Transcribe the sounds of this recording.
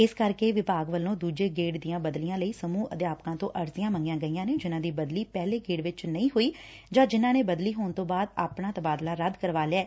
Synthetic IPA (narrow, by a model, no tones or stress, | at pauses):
ɪskəɾkeːʋɪpaːɡʋəlːõːd̪uːd͡ʒeːɡeːʈd̪ijãːbəd̪lijãːləiːsəmuːʔəd̪jaːpkãːt̪õ̰ːʔəɾsɪjãːməŋɡɪjãːɡəiːãːneːd͡ʒɪnãːd̪iːbəd̪liːpɛːleːɡeːɖʋɪt͡ʃnəĩːɦoːiː | d͡ʒãːd͡ʒɪnãːneːbəd̪liːɦoːnt̪õːbaːd̪a̰ːpɳaːt̪əbaːd̪laːɾəd̪kəɾʋaːleaː